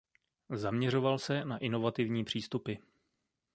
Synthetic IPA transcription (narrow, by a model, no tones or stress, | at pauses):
zamɲɛr̝o̞valsɛnaʔɪno̞vat̪ɪvɲiːpr̝̥iːst̪upɪ